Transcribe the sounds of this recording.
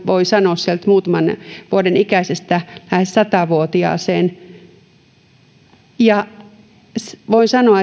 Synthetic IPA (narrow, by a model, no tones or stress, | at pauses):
ʋoisɑnossielt̪muːt̪ɑmɑnʋuodenikæsest̪ælæhessɑt̪ɑʋuot̪iɑ̰ːseːn | jɑ | sʋoinsɑnoɑ